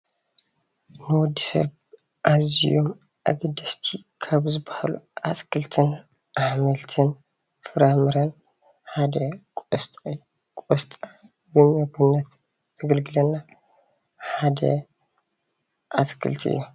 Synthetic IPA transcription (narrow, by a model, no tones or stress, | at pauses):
nɨwɔd̪ːisɐ̰β | ʔazijo̞m | ʔa̰ɡɨd̪ɐst̪ʰikʰaβzɨbahalṵʔat̪kʰɨlt̪ʰɨn | ʔaħmɨlt̪ʰɨn | fɨɾamɨɾɐn | ħad̪ɐkʼost̪ʼː | kʼost̪ʼa | bɨmɐɡɨnːɐt̪ | z̥ʰɐɡɐlɡɨlɐnːa | ħad̪ɐ̰ | ʔat̪kʰɨ̰lt̪ʰʔɨ̰jːu